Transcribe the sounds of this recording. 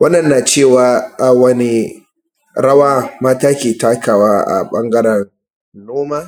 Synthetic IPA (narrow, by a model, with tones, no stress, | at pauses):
wɐ˦nːɐ˨nːaː˨t͡ʃeː˦˨waː˨ʔa˨wɐ˦ni˦ | ɽɐ˦waː˦maː˦taː˦kʲeː˨taː˦kʰaː˨waː˦ʔa̰˨ɓɐ˦ŋɡɐ˦ɾɐ˨n | noː˦maː˦